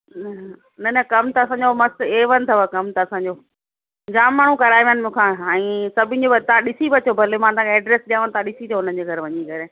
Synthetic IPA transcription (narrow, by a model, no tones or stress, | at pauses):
nɐnɐkɐmt̪ɐɐsãːɲd͡ʑomɐst̪eːʋɐnɪ̆t̪ʰɐʋəkɐmt̪ɐɐsãːɲd͡ʑoː | d͡ʑaːmːaːɳ̤ũkɐɾaːiʋənɪmũːkʰãɛ̃ːsɐbʱɪ̃nd͡ʑobɐt̪aãɗɪsibɐt͡ɕʰobʱɐlemãːt̪ãkʰɛːɖɾeːsɗijãːʋənɪt̪aãɗɪsit̪ʰoɦʊn̤ənd͡ʑeːɡʱɐɾʋɐɲikɐɾeː